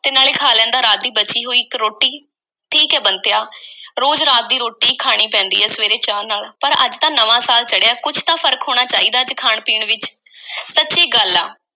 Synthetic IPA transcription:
t̪eːnaːleːkʰaːlɛ̃ːnd̪aːɾaːt̪̚d̪iːbət͡ʃiːɦoːiːkɾoːʈːiː | ʈʰiːkɛːbənt̪ejaːɾoːd͡ʒɾaːt̪̚d̪iːɾoːʈiːkʰaːɽ̃iːpɛ̃ːnd̪ḭːɦɛːsəʋeːɾeːt͡ʃaːɾnaːlpəɾə̰d͡ʒt̪ãːnəʋãːsaːlt͡ʃəɽejaːkʊt͡ʃʰt̪ãːpʰəɾkɦoːɽ̃aːt͡ʃaːiːd̪aːəd͡ʒkʰaːɳpiːɳʋɪt͡ʃ | sətːʃiːɡəlaː

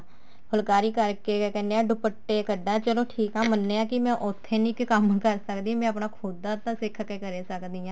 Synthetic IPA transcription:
hʰʊlkaːɾiːkəɾkekɛ̃ːnd̪eãɖʊpəʈːekəɖat͡ʃəloːʈʰiːkãːmənːeãkimɛ̃ːʔʊt̪ʰːenĩkkəmkəɾsəkd̪ĩmɛ̃ːəpnakʰud̪at̪asɪkʰkekəɾesəkd̪iːãː

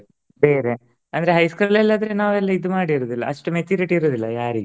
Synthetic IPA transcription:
be̞ːɾe | ɐnd̪ɾeɦɐjskulɛlːad̪ɐɾenaːʋɛlːɐid̪umaːɽiɾuːd̪ilːɐ̰ɐʂʈumet͡ʃːuːɾiʈiːɾoːd̪ilːɐjaːɾiɡe

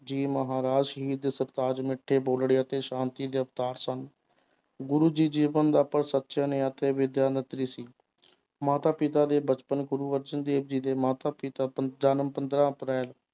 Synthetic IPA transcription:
d͡ʒiːməɦaːɾaːd͡ʒʃəɦiːd̪səɾt̪aːd͡ʒmɪʈʰːeːboːlɽeːət̪eːʃãːnt̪iːd̪eːəpt̪aːɾsən | ɡʊɾuːd͡ʒiːd͡ʒiːʋənd̪aːpəɽsət̪ːʃãːneːət̪eːʋɪd̪jaːnət̪ɾiːsiː | maːt̪aːpɪt̪aːd̪eːbət͡ʃpənɡʊɾuːʋəɾd͡ʒənd̪eːb̚d͡ʒiːd̪eːmaːt̪aːpɪt̪aːəd͡ʒaːnəmpənd̪ɾãːəpɾɛːl

